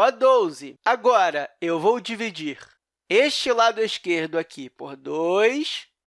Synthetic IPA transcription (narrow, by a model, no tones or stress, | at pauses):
ɔd̪ozɪaɡɔɾɐewvowd͡ʒivid͡ʒiχ | eʃt͡ʃɪlad̪ʊiskeɾd̪ʊakʰipoɾd̪ojs